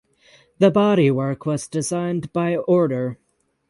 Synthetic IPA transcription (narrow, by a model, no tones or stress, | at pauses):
ðɨbɑɾiwɜ˞kʰwʌzdɨzãɪ̃nbaɪɔɹɾə˞